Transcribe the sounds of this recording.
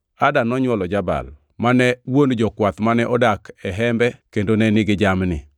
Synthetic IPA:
adanɔɲwɔlɔd͡ʒaba̰l | manɛwond͡ʒɔkwat̪manɛʔɔdakʰɛɦɛmbɛkendonɛnɪɡɪd͡ʒamnɪ̰

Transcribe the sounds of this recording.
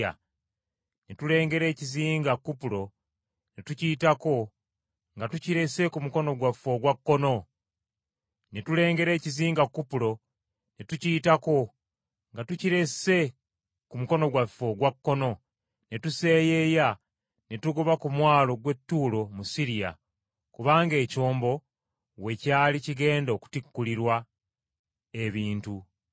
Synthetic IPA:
a̰ | ne̞tule̞ːŋɡe̞ɾe̞ːciziːŋɡakːupulo̞ | ne̞tuciːtako̞ | ŋɡatuciɾe̞se̞kumuko̞no̞ɡwafo̞ɡwakːo̞no̞ | netule̞ːŋɡe̞ɾe̞ːciziːŋɡakːupuɾo̞ | ne̞tuciːtako̞ | ŋɡatuciɾe̞se̞ | kumuko̞no̞ɡwafo̞ɡwakːo̞no̞ | ne̞tuse̞ːje̞ja | ne̞tuɡoβakumwaːlo̞ɡwe̞tːuːlo̞musiɾija̰ | kuβaːŋɡe̞ːco̞ːmbo̞ | we̞caːliciɡe̞ːndoku̥tikːuliɾwa | e̞βiːntu

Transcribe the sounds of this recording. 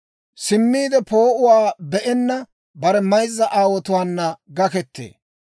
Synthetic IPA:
sɪmːiːd̪ɛpo̞ːʔʊwaːbɛʔɛnːɐ | bɐɾɛmɐjzːɐʔaːwɔt̪ʊwaːnːɐɡɐkɛt̪ːḛː

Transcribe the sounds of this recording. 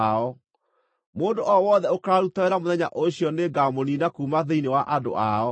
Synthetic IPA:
ɔ | moːndoʔɔwɔðɛokaɾutaeɾamoðɛɲa̰ʔoɕjɔneɡamoninakuːmaðeinewaʔado̰ʔaɔ

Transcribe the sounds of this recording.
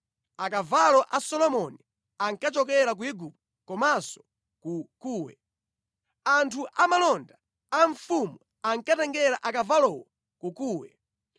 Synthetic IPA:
akavalɔʔasɔlɔmɔni | aŋkat͡ʃɔkɛɾak̬uiɡup̚ | kɔmasɔ̥ | kukuːwɛ̰ | antʰuʔamalɔnda | aɱfumu | aŋkatɛŋɡɛɾaʔakavalɔwɔ | kukuːwɛ̰

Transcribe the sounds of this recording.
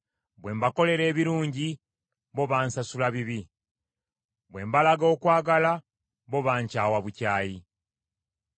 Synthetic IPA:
bwe̞ːmbako̞le̞ɾe̞ːβiɾuːɲɟi | βo̞βaːnsasulaβiβi | βwe̞ːmbalaɡo̞ːkwaːɡala | βo̞βaːɲcaːwaβucaːji

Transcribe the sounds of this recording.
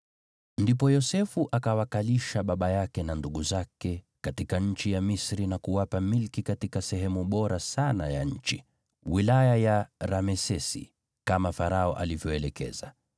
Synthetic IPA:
ndipɔjɔsɛfuʔakawakaliʃaɓaɓajakɛnanduɠuzakɛ | katikaɲ̩t͡ʃijamisɾinakuwapamilkikatikasɛɦɛmuɓɔɾasana̰ja̰ɲ̩t͡ʃi | wilajajaɾamɛsɛsḭ | kamafaɾaɔʔalivjɔɛlɛkɛ̰za̰

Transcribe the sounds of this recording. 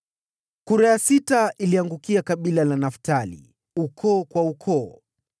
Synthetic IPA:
kuɾajasitailiaŋɡukiakaɓilalanaftalḭ | ukʰɔːkwaukʰɔː

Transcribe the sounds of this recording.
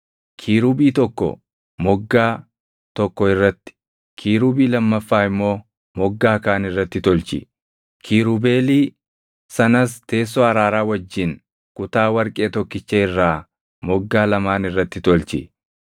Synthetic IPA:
kʰiːɾuːbiːt̪ɔkːɔ̰ | mɔɡːaː | t̪ɔkːɔɪrːɐt̪ːɪ̥ | kʰiːɾuːbiːlɐmːɐfːaːɪmːo̞ː | mɔɡːaːkaːnɪrːɐt̪ːɪt̪ɔlt͡ʃɪ̰ | kʰiːɾuːbe̞ːliː | sɐnɐst̪e̞ːs̬ːoɐɾaːɾaːwɐd͡ʒːɪn | kʊt̪aːwɐɾkʼe̞ːt̪ɔkːɪt͡ʃːeɪrːaː | mɔɡːaːlɐmaːnɪrːɐt̪ːɪt̪ɔlt͡ʃɪ̰

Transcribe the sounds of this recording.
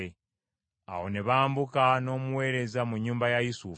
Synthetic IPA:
e | a̰ho̞ne̞βaːmbukano̞ːmuwe̞ːɾe̞zamuɲːuːmbajajisuf

